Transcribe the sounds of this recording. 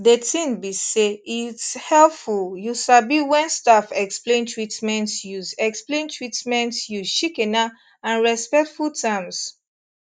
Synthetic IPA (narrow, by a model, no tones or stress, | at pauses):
detĩnbiseitshɛlfuljusabiwɛ̃nstafɛksplẽntʰɹitmɛ̃ntjuzɛksplẽntʰɹitmɛ̃ntju̥ʃikɛna | ãnɹɛspɛk̚tfultʰãms